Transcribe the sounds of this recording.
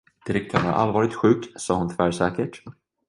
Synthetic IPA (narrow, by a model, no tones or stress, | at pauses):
d̪̥ɪɾɛk̚t̪ʰœːɾæ̰ɾʔa̰lvɑːɾɪt̪ɧʉ̟ːksɑːɦʊnt̪ʰʏvæːʂɛːkəʈ